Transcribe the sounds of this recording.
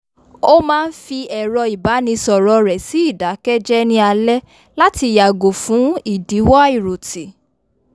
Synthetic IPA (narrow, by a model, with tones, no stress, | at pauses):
o˦mãː˦˧n̩˦fi˧ɛ˨ɾɔ˧i˨ba˨˦nĩ˧sɔ˨ɾɔ˨˧ɾɛ˨si˨˦i˦˨da˨˦kɛ˦d͡ʒɛ˦nĩ˧˦a˧lɛ˦ | la˦ti˧˨ja˨ɡo˨fũ˨˦i˦˨di˨˦wɔ˦a˦i˦˨ɾo˨ti˨